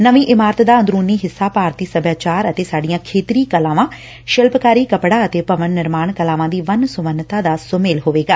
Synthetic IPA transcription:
nəʋĩːʔɪmaːɾət̪d̪aːə̃nd̪ɾuːniːɦɪsːaːpaːɾt̪iːsəbjaːt͡ʃaːɾət̪eːsaːɖijãːkʰeːt̪ɾiːkəlãːʋãː | ʃəlpkaːɾiːkəpɽaːət̪eːpəʋənːɪɾmaːɳkəlaːʋãːd̪iːʋənsʊʋənːt̪ãːd̪aːsʊmeːlɦoːʋeːɡaː

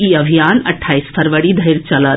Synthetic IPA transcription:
iəbʱijanɐʈʰːaːispʰəɾʋəɽid̪ʱəiɾt͡ʃɐlət̪

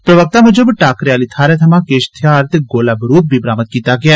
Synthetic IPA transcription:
pɾɐʋək̚t̪amẽd͡ʒobʈaːkɾjaːlit̪ʰaːɾet̪ʰɐmãːkeːʃt̪ʰjaːɾt̪eɡoːlabəɾuːp̚bʱibɾaːmət̪̚kiːt̪aɡɐja

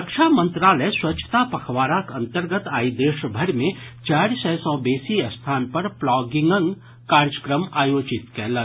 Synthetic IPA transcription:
əkʃʰamə̃nt̪ɾaːləjswɐtːt͡ʃʰə̥t̪apɐkʰʋaːɾakɐ̃nt̪əɾɡət̪aːid̪eːʃbʱɐɾmẽt͡ʃaːɾsɛsɔ̃ːbeːsiɐst̪ʰaːnpɐɾplɔːɡɪŋɡə̃ŋɡ | kaːɾjəkɾəmaːjoːt͡ʃɪt̪kɛɦlə

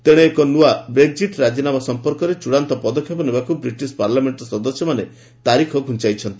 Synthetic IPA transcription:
t̪eɽ̃eːkɔnuabɾeɡ̚d͡ʒiʈɾad͡ʒinamasɔmpɔɾkɔɾet͡ʃuɽant̪ɔpɔd̪ɔkʰːjɔpɔnebakubɾiʈispaɾlameɳʈɔsɔd̪ɔsjɔmane | t̪aɾikʰɔɡʱunt͡ʃajt͡ʃʰɔnt̪i̥

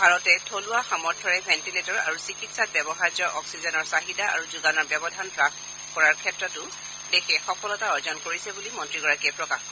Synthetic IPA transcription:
bʱaɹɔtɛtʰolʊaxamɔɹ̚dʱɔɹɛbʱɛntiletɔɹa̰ɹusikitsat̚bjɛbɔxaɹzɔʔɔksizɔnɔɹsaɦidaa̰ɹuzuɡanɔɹbɛbɔdʱanpɹak | kɔɹaɹkʰɛtɹɔtʊ | dexʰɛxɔkɔlɔtaɔɹzɔnkoɹisɛbulimɔntɹiɡɔɹakɛpɹɔkaxkɔ

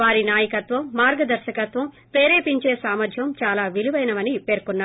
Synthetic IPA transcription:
ʋaːɾinaːjɐkɐt̪ʋɐmːaːɾɡɐd̪ɐɾʃɐkɐt̪ʋɐm | peːɾe̞ːpiɲt͡ʃe̞ːsaːmɐd̪ʱjɐmt͡ʃaːlaːʋiluʋɐjnɐmɐnipe̞ːɾkunːaː

